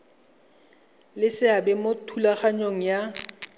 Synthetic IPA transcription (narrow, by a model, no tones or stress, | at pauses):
lɪsɪabɛmotʰulaχaɲoŋ̩ja